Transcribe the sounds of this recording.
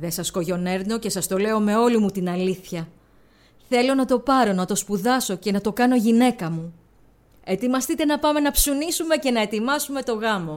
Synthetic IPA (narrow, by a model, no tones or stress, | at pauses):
ðe̞sɐsko̞ʝo̞ne̞ɾno̞ce̞sɐst̪o̞le̞o̞me̞o̞limut̪inɐliθçɐ | θe̞lo̞nɐt̪o̞pɐɾo̞nɐt̪o̞spuðɐso̞ce̞nɐt̪o̞kɐno̞ʝine̞kɐmu | e̞t̪imɐst̪it̪e̞nɐpɐme̞nɐpsunisume̞ce̞nɐe̞t̪imɐsume̞t̪o̞ɣɐmo̞